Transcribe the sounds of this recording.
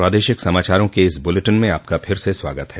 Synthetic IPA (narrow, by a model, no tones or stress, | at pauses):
pɾaːd̪eːʃɪksɐmaːt͡ʃaːɾõkeɪsbʊleʈənmẽaːp̚kapʰɪɾseswa̰ːɡət̪ɦɛː